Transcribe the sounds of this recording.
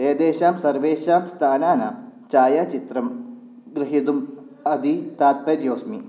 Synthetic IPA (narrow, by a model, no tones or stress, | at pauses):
eːd̪eːʃaːmsɐɾʋeːʃaːmst̪ʰaːnaːna̰ːmt͡ʃaːjaːt͡ʃit̪ɾɐm | ɡɾɪɦid̪um | ɐd̪ʱit̪aːt̪̚pɐɾjoːsmi